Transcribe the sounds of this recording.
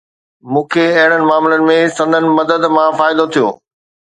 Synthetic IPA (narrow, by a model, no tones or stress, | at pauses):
mũːkʰeɐɦɪɽ̃ənɪ̆maːmlənɪ̆mẽsɐ̃nd̪ənɪ̆mɐd̪əd̪mãfaːɪd̪ot̪ʰijo̰ː